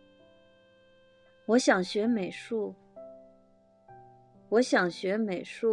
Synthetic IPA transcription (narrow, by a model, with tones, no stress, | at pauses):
wɔ˧˥ɕjɑ˨˩ŋɕɥɛ˧˥me˨˩ɪʂu˥˩ | wɔ˧˥ɕjɑ˨˩ŋɕɥɛ˧˥me˨˩ɪʂu˥˩